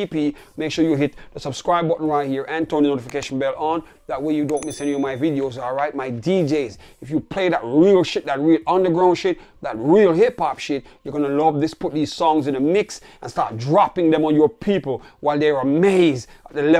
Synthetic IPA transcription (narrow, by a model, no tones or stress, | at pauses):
ipimeɪkʃuɹjɨɦɪtðəsʌbskɹaɪbɔʔn̩ɹaɪhiɹʔɨ̃ntʰɜ̃˞nðənotɪfɪkʰeɪʃn̩bɛlˠə̃n | ðət̚weɪjɨdõʊ̃nmisɛ̃nəmaɪvɪdioʊzɔlˠɹaɪt̚maɪdid͡ʒeɪz | ɨfjupʰl̥eɪðət̚ɹilˠʃɪt̚ðɨt̚ɹilʌ̃nðə˞ɡɹãʊ̃nʃɪt̚ | ðət̚ɹilˠɦɪpʰɑpʃɪt̚jə˞ɡɔnəlʌvðɪspʰʊt̪̚ðiz̥sɔ̃ŋzɨ̃nəmɪks | ə̃nstɑ̰ɹt̚dɹɑpɪ̃ŋðɛ̃mə̃njɔ˞pʰipl̩ˠwaɪlˠðɛɹəmeɪzdət̚ðɨlɛ